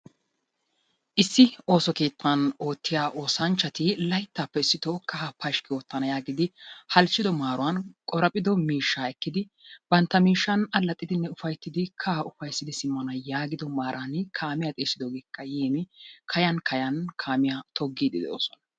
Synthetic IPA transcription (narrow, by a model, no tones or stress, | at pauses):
ʔɪsːɪo̞ːsɔke̞ːt̪ːɐno̞ːt̪ːɪjaːʔo̞ːsɐnt͡ʃːɐt̪ɪlɐjt̪ːaːpːɛɪsːɪt̪oːkɐɦɐpɐʃkɪwoːt̪ːɐnɐjaːɡɪd̪ɪhɐlt͡ʃːɪd̪ɔmaːɾʊwɐnkʼɔɾɐpʼɪd̪ɔmiːʃːaːɛkːɪd̪ɪ | b̥ɐnt̪ːɐmiːʃːɐnɐlːɐt̪ʼːɪd̪ɪnːɛʊfɐjt̪ːɪd̪ɪkʰaʊfɐjsːɪd̪ɪsɪmːɐnɐjaːɡɪd̪ɔmaːɾʔankʰaːmɪjat̪ʼe̞ːsːɪd̪oːɡeːkʰːɐjeːmɪkʰɐjɐnkʰɐjɐnkʰaːmɪjat̪ʰɔɡːiːd̪ɪ̰d̪ɛo̰ːsɔnɐ